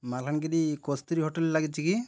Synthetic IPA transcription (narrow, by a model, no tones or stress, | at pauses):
malkanɡedikɔst̪ɾiɦɔʈellaɡit͡ʃiki